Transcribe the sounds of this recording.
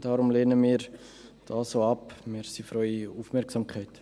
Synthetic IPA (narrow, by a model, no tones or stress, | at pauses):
d̥ɑːɾʊmleːnəmiːɾ | d̥ɑːsoːɑpmiːɾsifɾɔʏiuːfmɛɾksɑmkχaɪt